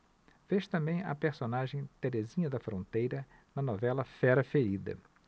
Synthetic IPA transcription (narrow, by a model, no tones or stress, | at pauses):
v̥eʃt̪ɐ̃mbẽj̃ɐ̰peɾsonaʒẽj̃t̪eɾezĩɲɐd̪ɐfɾõnt̪ejɾɐ | nɐnɔvɛlɐfɛɾɐfeɾid̪ɐ̰